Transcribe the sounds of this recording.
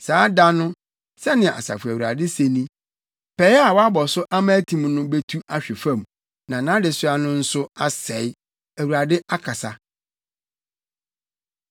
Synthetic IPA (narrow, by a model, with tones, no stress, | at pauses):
saː˨˦da˦nʊ̃˦ | sɛ˦nɪ̃˨a̰˨sa̰˨fʊ˨æ˨wu˨ɾa˨dɪ˦se˨nĩ˦ | pʰɛ˨˦ɛ˦a˨wɔ˦a˦bɔ˨sʊ˦ʔa˦mã˦tʰĩ˨mnʊ̃˦be˦tʰu˦a˨ɕᶣɪ˨fã˦˨m˨ | nã˨nã˦dɪ˨sʊ˦a˦nʊ̃˦n̩˦sʊ˦a˦sɛ˨ɪ˦ | æ˨wu˨ɾa˨dɪ˦a˦kʰa˨sa˦